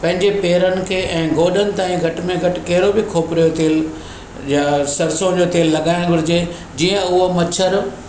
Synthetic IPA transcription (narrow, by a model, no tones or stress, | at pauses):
pɐ̃ɦɪ̃ɲd͡ʑepeːɾənɪ̆kʰeːʔɛ̃ːɡʱoːɗənɪ̆t̪aːĩɡʱɐʈmẽɡʱɐʈɪ̆kɐɦɪɾobɪkʰoːpɾijot̪eːl | jasɐɾsõd͡ʑoːt̪eːlːɐɠaːɪɽ̃ɡʱʊɾɪd͡ʑe | d͡ʑiːə̃ʊɦomɐt͡ɕʰəɾ